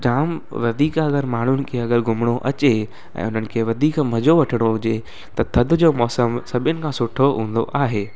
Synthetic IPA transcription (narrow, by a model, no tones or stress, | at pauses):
d͡ʑaːmʋɐd̪ʱiːkɐɡəɾmaːɳ̤ʊnɪ̆kʰeɐɠəɾɡʱʊmɽ̃oʔɐt͡ɕe | ɛ̰̃ːʊn̤ənɪ̆kʰeːʋɐd̪ʱiːkm̤ɐd͡ʑoʋɐʈʰɪɽ̃oɦʊd͡ʑe | t̪ɐt̪ʰɐd̪ʱʊ̆d͡ʑoːmɔːsəmsɐbʱɪjənɪ̆kʰãːsʊʈʰoɦũːn̆d̪o̰ʔaːɦeː